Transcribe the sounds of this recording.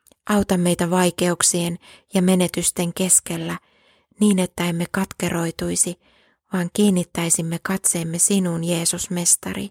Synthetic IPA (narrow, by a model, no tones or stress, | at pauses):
ʔɑwt̪ɑmːe̞jt̪æʋɑjke̞uksie̞njɑme̞ne̞t̪yst̪e̞ŋke̞ske̞lːæ | niːne̞t̪ːæemːe̞kɑt̪ke̞rʔo̞jt̪ujsi | ʋɑːŋkiːnːit̪ːæjsimːe̞kɑt̪se̞ːmːe̞sinuːnje̞ːsusme̞st̪ɑ̰rḭ